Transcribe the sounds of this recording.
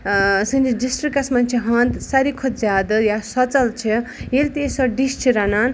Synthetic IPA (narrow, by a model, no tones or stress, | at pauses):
sɨnd͡ʒiɖisʈrikasmant͡ʃʰiɦʌnt̪saɾikʰot̪d͡zad̪jasʌt͡sɐlt͡ʃʰijelt̪esʌɖist͡ʃʰiɾanan